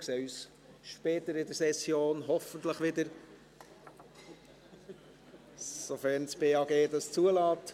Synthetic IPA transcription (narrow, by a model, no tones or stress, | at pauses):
kseːys | ʃpɛːt̪əɾɪdəɾsɛsjoːnɦɔfənt̪ləχʋɪd̪əɾ | sofɛɾnspeːɑːɡeːd̪ɑst͡suəlɑːt